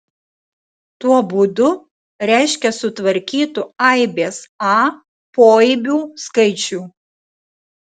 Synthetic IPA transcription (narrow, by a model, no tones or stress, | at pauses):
t̪uɔbud̪ʊ | ɾʲæˑɪʃʲkʲɛsʊt̪ʋɐɾʲkʲiːt̪ʊɐɪbʲeːsɑː | poːibʲuːskɐɪt͡ʃʲuː